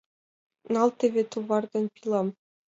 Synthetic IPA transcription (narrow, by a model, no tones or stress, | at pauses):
nɑlˠt̪ʲĕβʲĕt̪uvɑrd̪ɤ̆npʲilˠɑm